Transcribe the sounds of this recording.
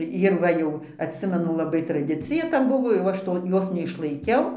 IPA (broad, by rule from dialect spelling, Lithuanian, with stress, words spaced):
jɪr ˈʋɐ jɛʊ ɐtʲˈsʲɪmʲɛnʊ lˠɐˈbɐɪ trɐˈdʲɪt͡sʲɪjɛ tɐ ˈbʊʋoː jɛʊ ˈɐʃ toː ˈjoːs nʲɛɪʃlˠɐɪˈkʲɛʊ